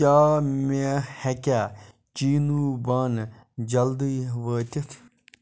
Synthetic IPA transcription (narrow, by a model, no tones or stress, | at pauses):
aːmehɛkʲaː | t͡ʃiːnuːbaːn | d͡ʒɐld̪iːʋəːt̪ʲit̪ʰ